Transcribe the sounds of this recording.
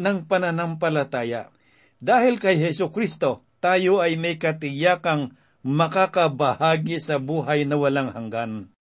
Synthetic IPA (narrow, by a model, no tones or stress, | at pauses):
nɐŋpɐnɐnampɐlɐt̪aːja | d̪aːhɪlkɐjɦɛsʊkɾist̪o̞ | t̪aːjoʔɐjmɐjkɐt̪ɪjaːkɐŋ | mɐkakɐbɐhaːɡɪsɐbuːɦajnɐwɐlaŋhɐŋɡan